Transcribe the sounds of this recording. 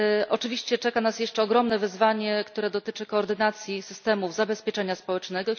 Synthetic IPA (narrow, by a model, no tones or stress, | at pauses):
ʔɔt͡ʂɘvʲiɕt͡ɕɛt͡ʂɛkanasjɛʂt͡ʂɛɔɡɾɔmnɛvɘzvaɲɛkt̪uɾɛd̪ɔt̪ɘt͡ʂɘkɔːɾd̪ɘnat̪sʲjisɘst̪ɛmuvzabɛspʲjɛt͡ʂɛɲaspɔwɛt͡ʂnɛɡɔ